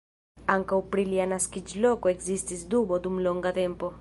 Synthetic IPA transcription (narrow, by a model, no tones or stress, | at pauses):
aŋkawpɾiljanaskid͡ʒlokoekzist̪izd̪ubod̪umloŋɡat̪ɛmpo